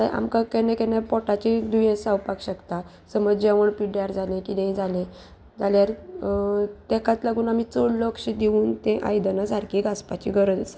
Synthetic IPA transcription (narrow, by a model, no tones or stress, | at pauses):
tajʔa̰mkakɛnɛ̃kɛnjapɔʈat͡ɕid̪ujɛ̃sawpakɕəkt̪a | səməd͡ʑeʋəɳpiɽjaɾd͡zalẽkid̪ẽĩd͡zalẽ | d͡zaljaɾ | t̪ɛkãt̪laɡuːnamit͡soɽləkɕid̪iʋuːnt̪ẽʔa̰jd̪ənasaɾkiɡaspat͡ɕḭɡʱəɾəd͡zt͡s